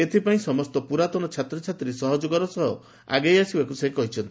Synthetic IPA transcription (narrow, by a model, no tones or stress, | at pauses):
et̪ʰipaĩsɔmɔst̪ɔpuɾat̪ɔnɔt͡ʃʰat̪ɾɔt͡ʃʰat̪ɾiesɔɦɔd͡ʒɔɡɔɾɔsɔɦɔ | a̰ɡejasibakusekɔɦit͡ʃʰɔnt̪i